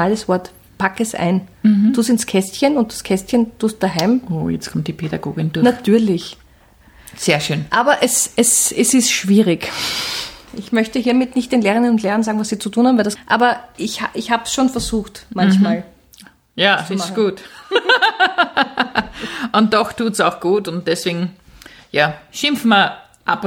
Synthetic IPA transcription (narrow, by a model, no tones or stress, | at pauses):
aləsv̥ɔɐt | pʰakɛsʔæ̰ɪn̩tuːstɪnskʰɛstçənʊnt̚d̥askʰɛstçəntuːst̚d̥aɦɛɪmʔoːjɛ̰t͡skʰɔmt̚d̥ipʰeda̰ɡo̰ːɡɪndʊɐnatʰyːɐlɪç | seːɐʃøːnʔaːbɐʔɛsɛsɛsɪstʃv̥iːʁɪk | ʔɪçmœçtəɦiːɐmɪtnɪçt̚d̥eːnleːʁɪnənʊntleːʁɐnsaːɡŋvasiːt͡sutʰuːnhaːm̩vɛldasʔaːbɐʔɪçhaʔɪçhaːbsʃoːnfɛɐzuːxtmãnçmaːl | jaːɡ̥uːt | ʊnt̚dɔxtʰuːtsaʊxɡ̥uːtʊnt̚d̥ɛsv̥eːɡŋ̩ | jaːʃɪ̃mfmɐ | ʔa̰p